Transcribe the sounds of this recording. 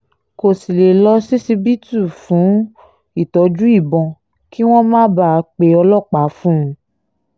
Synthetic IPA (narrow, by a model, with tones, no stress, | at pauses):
ko˨si˨le˨lɔ˧si˦si˧bi˦tu˦˨fũ˨˦ | i˦˨tɔ˨˧d͡ʒu˦i˦˨bɔ̃˧ | ki˦w̃ɔ̃˦mãː˦ba˦a˨˧k͡pe˧ɔ˧lɔ˦˨k͡pa˨˦fũ˦ũ˧